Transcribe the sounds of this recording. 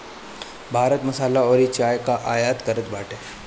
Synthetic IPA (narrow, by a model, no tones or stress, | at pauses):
bʱaːɾət̪mɐsaːlaɔːɾit͡ʃaːjkaʔaːjaːt̪kəɾət̪baːʈeː